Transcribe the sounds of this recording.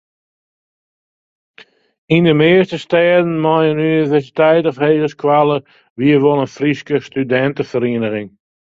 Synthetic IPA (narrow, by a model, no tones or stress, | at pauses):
indəmeəstəstɛːdənmɔjənynnivɛrsitɛjtɔfheːɣəskʰwalə | ʋiəʋolənfriskəstydɛntəfəɾeənəɣɪŋ